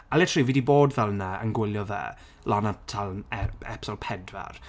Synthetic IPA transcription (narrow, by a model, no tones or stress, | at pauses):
alɛtʰriːviːdiboːdvɛlˠnaə̰nɡwɪlˠjɔvɛ̰ | lɔnatʰalˠɛɛ̰psɔlˠpʰɛdwa̰r